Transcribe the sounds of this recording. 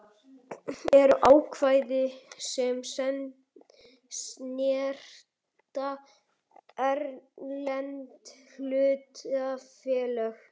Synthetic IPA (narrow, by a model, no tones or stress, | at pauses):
ɛɾʏʔaːwkʰvaːjðɪsɛmsɛnt̪ | snjɛr̥ | t̪a | ɛɾlɛnt̪l̥ʏːt̪afɛːlɛx